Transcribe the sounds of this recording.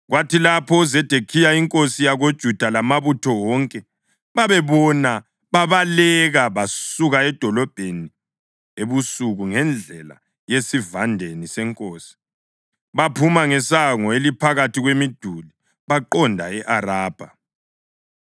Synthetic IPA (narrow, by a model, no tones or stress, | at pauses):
ɣwatʰilapʰɔuzɛd̥ʱekʰijaiŋkʼosijaɣod̥ʒ̥ʱud̥ʱalamaβutʰɔwɔŋkʼɛ | βaβɛβɔna | βaβalɛɣaβasuɣaɛd̥ʱɔlɔb̥ʱeni | eβusuɣuŋɛnd͡ɮʱɛla̰ | jesivandʱenisɛŋkʼoːsi̥ | βapʰumaŋɛsaŋɔelipʰaɣatʰiɣwemid̥ʱuli | βaǃɔndʱaɛʔaɾaːb̥ʱa